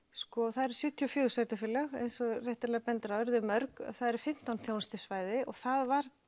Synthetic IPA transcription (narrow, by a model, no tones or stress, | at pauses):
skɔθaðɛɾ̥sʏːt̪ʰːjiɔfjosvaːjt̪ɪfɪlaɣḛjnsɔrɛht̪alɛːɣapɛnt̪ɾaœɾðɪmœɾka̰θaðɛɾ̥fɪm̥t̪awnθjoːwnst̪ɪ̥svaːjðɪʔɔɣθaðvaɾ